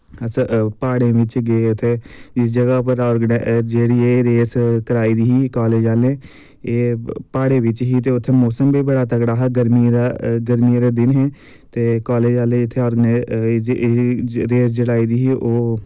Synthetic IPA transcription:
ət͡ʃʰapaːɽẽːʋɪt͡ʃɡeʊt̪ʰːeːd͡ʒɪs̬d͡ʒəɡaːpəɾɔːɾɡnd͡ʒeːɽiːeːɾeːskəɾaːiːd̪iːɦiːkaːleːd͡ʒaːleː | eːpaːɽeːʋɪt͡ʃɦiːt̪eːʊt̪ʰːeːmoːsəmbiːbəɽaːt̪əkɽaːɦɛːɡəɾmiːɾaɡəɾmiɾeːd̪ɪnɦɛ̃ː | t̪eːkaːleːd͡ʒaːlẽɪt̪ʰːeːɔːɾɡənː | ɾeːsd͡ʒəɽaːiːd̪iːɦiːʔoː

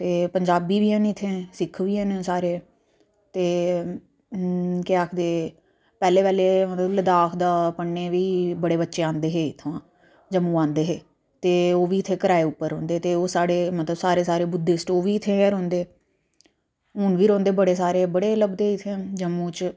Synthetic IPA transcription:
t̪eːpəɲd͡ʒaːbiːʋiːãːnːɪt̪ʰːẽːsɪkʰːʋiːãːnẽsaːɾeː | t̪eː | kɪaːkʰd̪eː | pɛːleːpɛːleːmət̪ləbləd̪aːkʰd̪aːpəɳːeːʋiːbəɽeːbətːʃeːãːnd̪eːɦeːɪt̪ʰːõãː | d͡ʒəmːũːãːnd̪eːɦeː | t̪eːoːʋiːɪt̪ʰːeːkəɾaːeːʊpːəɾɦõ̰ːnd̪eːt̪eːoːsaːɽeːmət̪ləbsaːɾeːsaːɾeːbʊd̪ːeːsʈoːʋiːɪt̪ʰːẽːɛɾõːnd̪eː | ʊnʋiːɾõːnd̪eːbəɽeːsaːɾeːbəɽeːləbd̪eːɪt̪ʰːẽd͡ʒəmːũːt͡ʃ

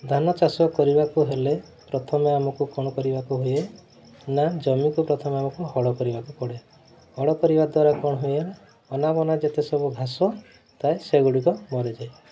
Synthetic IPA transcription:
d̪ʱanɔt͡ʃasɔkɔɾibakuɦele | pɾɔt̪ʰɔmeamɔkukɔɽ̃ɔkɔɾibakuɦuje | nad͡ʒɔmikupɾɔt̪ʰɔmeamɔkuɦɔɽɔkɔɾibakukɔɽe | hɔɽɔkɔɾibad̪waɾakɔɽ̃ɔɦujela | ɔnabɔnad͡ʒet̪esɔbubʱasɔ | t̪aeseɡuɽikɔmɔɾed͡ʒae

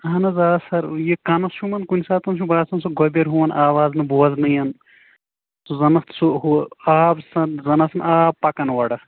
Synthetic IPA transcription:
ɐnɐzaːsɐɾjekɐnɐsʃumɐnkunʲsaːt̪ɐnʃubaːsɐnsuɡobeɾɦuʋɐnʔaːʋaːznɐboːɐznɐjɐn | suzɐnɐst̪ʰsuɦuaːbsɐnzɐnɐsɐnaːbpːɐkɐnʋɐɽɐ

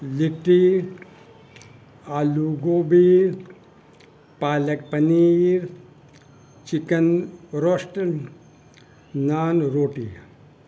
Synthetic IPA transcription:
liʈi | aːluɡoːbiːɾ | paːlɐk̚pɐniːɾ | t͡ʃikɐnɾosʈ | naːnɾoːʈḭ

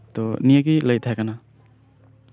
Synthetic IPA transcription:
t̪ɔnijaɡiləjt̪ʰajkana

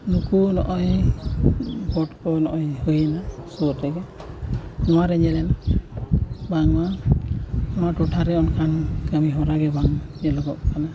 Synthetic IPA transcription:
nukunɔ̰ʔɔj | bɔʈkɔnɔʔɔjhujɛnasutːɛɡɛ | nɔwaɾɛɲɛlɛna | baŋma | nɔwaduʈʰaɾɛɔnkʰankəmiɦɔɾaɡɛbaŋɲɛlɔɡɔkʰana

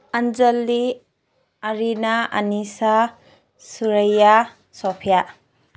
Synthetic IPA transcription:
and͡ʒalːi | aɾinaa̰nisa | suɾaja | sɔpʰija

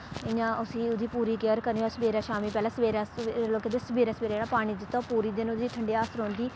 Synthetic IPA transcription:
ɪjãːʔʊsĩːʊd̪iːpuːɾiːkeəɾkəɾniːosəbeːɾaːʃaːmiːpɛːlaːsəʋeːɾaːsloːkeːd̪esəbeːɾaːsəbeːɾaːd͡ʒeːɽaːpaːɽ̃iːd̪ɪt̪ːaːpuːɾiːd̪ɪnʊd̪iːt̪ʰəɳɖeːaːsəɾõːnd̪iː

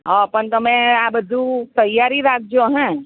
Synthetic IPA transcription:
ɦapəɳt̪əmẽabəd̪ʱut̪əjaɾiɾak̚ʰd͡ʒoɦɛ̃

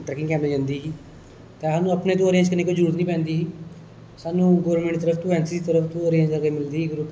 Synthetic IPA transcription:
ʈɾɛːkɪ̃ŋkɛ̃ːmɾeːd͡ʒãːnd̪iːɦiː | t̪eːaːnũːəpneːt̪õːoːɾẽːɲd͡ʒkənːeːkoːd͡ʒəɾuːɾət̪nĩːpɛ̃ːnd̪iːɦiː | saːnũːɡoːɾəɾmẽɳʈːt̪əɾəfʰt̪õːɛːnsiːdiːt̪əɾəfʰt̪õːəːɾẽːɲd͡ʒəɾɡəːmɪld̪iːiɡɾup

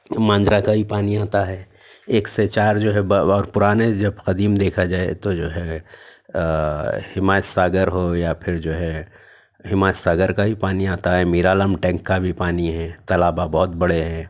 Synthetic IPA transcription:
mãːɲd͡ʒɾakabʱipaːniaːt̪aɦɛː | eːkset͡ʃaːɾd͡ʒoːɦɛbɔːɾpʊɾaːned͡ʒɐbxɐd̪iːmd̪eːkʰad͡ʒaːḛt̪od͡ʒoːɦɛ | hɪmaːt͡ʃsaːɡəɾɦojapʰɪɾd͡ʒoːɦɛ | ɦɪmaːt͡ʃsaːɡəɾkabʱipaːniaːt̪aɦɛmiːɾaːləmʈɛ̃ːŋkːabʱipaːniɦɛ̃ːt̪ɐlaːbabɔːʊt̪bɐɽeɦɛː

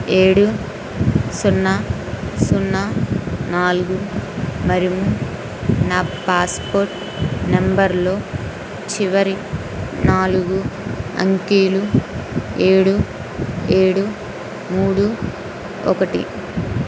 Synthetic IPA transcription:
e̞ːɽu | sunːɐ | sunːanaːluɡumɐɾimu | naːpaːspoːɾʈ | nembɐɾlo̞ː | t͡ʃiʋɐɾi | naːluɡuɐ̰ŋkiːlu | e̞ːɽu | e̞ːɽu | muːɽu | ɔ̰kɐʈḭ

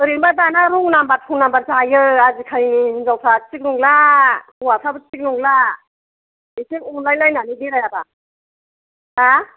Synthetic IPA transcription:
ɯɾinbadanaɾɯŋnambatʰuŋnambaɾzajɯazikʰajninzawtʰat͡ʃik̚nuŋlauwasʰabɯt͡ʃik̚nuŋla | isikunlajlajnanidiɾajaba | a

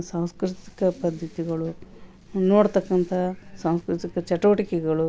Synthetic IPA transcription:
saːw̃skɾɪt̪i̥kɐpɐd̪ʱːɐt̪iɡɐɭu | noːɽt̪ɐkːɐnt̪ʰɐsaːw̃skɾit̪ikɐt͡ʃɐʈːɐʋɐʈikɛɡɐɭu

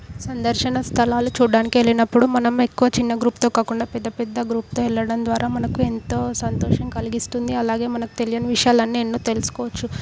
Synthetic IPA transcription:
sɐnd̪ɐɾʃɐnɐst̪ʰɐlaːlut͡ʃuːɖaːnikielinɐpːuɽumɐnɐme̞kːuʋɐt͡ʃinːɐɡɾuːpt̪o̞ːkaːkuɳɖaːpɛd̪ːɐpɛd̪ːɐɡɾuːp̚t̪o̞ːɛɭːɐɽɐnd̪ʋaːɾaːmɐnɐkue̞nt̪o̞ːsɐnt̪oːʂɐŋkɐliɡist̪und̪iɐlaːɡe̞ːmɐnɐku̥t̪e̞lijɐnɐʋiʂɐjaːlɐnːeːnːuːt̪e̞lusu̥kɔːʋɐt͡ʃːu

